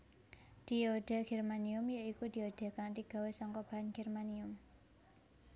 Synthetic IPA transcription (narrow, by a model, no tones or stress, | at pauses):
d̪̥ioɖ̥a̤ɡ̥ɛrmaniʊmjoikud̪̥i̤od̪̥e̤kaŋt̪iɡ̥a̤wesɔŋkɔb̥anɡ̥ɛrmaniʊm